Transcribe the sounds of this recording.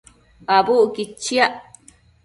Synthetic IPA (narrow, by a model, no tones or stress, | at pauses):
abuʔkit͡ʃːiaʔ